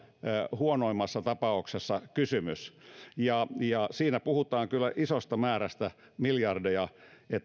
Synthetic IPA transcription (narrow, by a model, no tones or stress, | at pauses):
huonoimːɑsːɑt̪ɑpɑuksesːɑkysymysjɑjɑsiːnæpuhut̪ɑːŋkylːæʔisost̪ɑmæːɾæst̪æ | miljɑrdejɑet̪ː